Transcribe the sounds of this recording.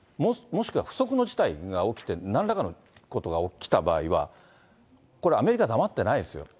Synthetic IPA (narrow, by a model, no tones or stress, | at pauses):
momo̞ɕi̥kɯ̟βa̰ɸɯ̟̥so̞kɯ̟no̞ʑi̥t̪aiɡao̞kʲi̥t̪e̞nãnɾakano̞ | ko̞t̪o̞ɡaokʲi̥t̪aba̰ːiβa̰ | ko̞ɾe̞ame̞ɾʲikad̪amat̪ːe̞naid̪esɨjo̞̰